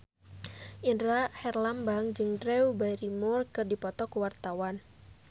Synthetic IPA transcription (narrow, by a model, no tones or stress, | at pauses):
ʔindɾahɛrlambaŋd͡ʒɨŋdɾɛubajɾimurkɨrdipɔt̪ɔkuwart̪awan